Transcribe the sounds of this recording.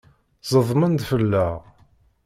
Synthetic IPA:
zˤəðˤmənd̪fəlːæ

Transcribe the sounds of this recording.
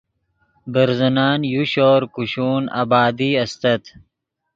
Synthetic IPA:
bɐɾzɐnaːnjuɕoːɾkuɕuːna̰baːd̪iɐst̪ɐt̪

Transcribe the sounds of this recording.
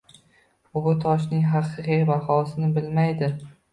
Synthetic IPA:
bʊt̪ʰɒʃ̬nɪŋɦɑqʰɨqijabahɒsɪnɪbɪlmajd̪ɪ

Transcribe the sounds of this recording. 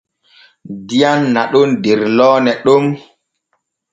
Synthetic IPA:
dijanːaɗɔndeɾlɔːnɛɗɔm

